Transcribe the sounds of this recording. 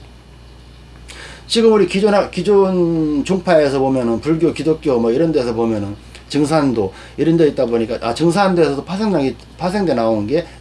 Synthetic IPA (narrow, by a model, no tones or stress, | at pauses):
t͡ɕiɡɯmuɾikid͡ʑonakid͡ʑont͡ɕoŋpʰaesʰʌbomjʌnɯnpuɭɡjokidok͈jomʌiɾʌnde̞sʰʌpomjʌnɯn | t͡ɕɯŋsʰando | iɾʌndeit̚t͈aboɲik͈aʔat͡ɕɯŋs̬ʰande̞sʰʌdopʰasʰeŋaɡi | pʰas̬ʰe̞ŋde̞naonɯnɡe̞